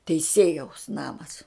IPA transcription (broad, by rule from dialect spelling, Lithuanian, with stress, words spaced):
tʲɛɪˈsʲeːjɛʊs ˈnɑːmɐs